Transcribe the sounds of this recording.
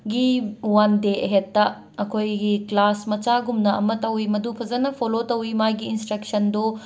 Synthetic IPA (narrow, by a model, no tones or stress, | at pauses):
ɡiuwandeʔɐɦetːɐ | ɐkʰojɡiklasmɐt͡ʃaɡumnɐɐmɐtɐwimɐdupʰɐzɐnɐpʰolotɐwimajɡiːnstɾɐk̚sɐndu